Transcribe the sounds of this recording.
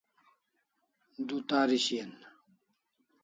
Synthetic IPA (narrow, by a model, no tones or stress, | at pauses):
d̪ut̪aːɾiɕiɐn